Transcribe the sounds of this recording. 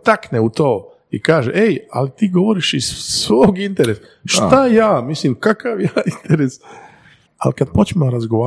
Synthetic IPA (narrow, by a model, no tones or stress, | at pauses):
t̪akneut̪o̞ː | ḭkaːʒeʔeja̰lit̪iːɡo̞ʋoɾiʃissʋoːɡint̪eɾesa | ʃt̪ajaːmisliːmkakaʋjaːint̪eɾes | a̰likad̪̚pot͡ʃmemaɾazɡoʋa